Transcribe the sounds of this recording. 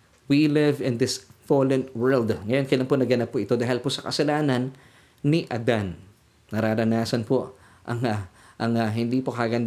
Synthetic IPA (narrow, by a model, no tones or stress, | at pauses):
wilɪvɪ̃nd̪ɪsfolɛnwɛɹld̪ŋɐjo̞nkɐjlaŋponɐɡɐnapːoʔɪt̪o̞d̪aːɦɪlposɐkɐsɐlaːnɐnː | ɪʔɐd̪an | nɐɾaːɾɐnaːsɐnpo | ʔɐŋ | ʔɐŋɐɦɪnd̪iːpokɐɐɡɐnd̪